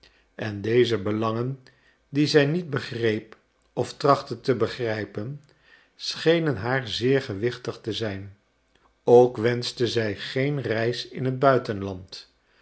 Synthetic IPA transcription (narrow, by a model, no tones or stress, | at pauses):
ʔɛndejzəbəlɑŋən | dizɛjnid̚bəχrejp | ɔftrɑχtətəbəχrɛjpən | sχejnənɦaːɹzɪːɹχəʋɪχtəχtəzɛjn | owkʋɛnstəzɛjχejnrɛjsɪ̰nɦəd̚bœɥtənlɑnt